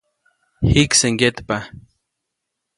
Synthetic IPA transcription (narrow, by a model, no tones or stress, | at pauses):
hikseŋɡet̪pa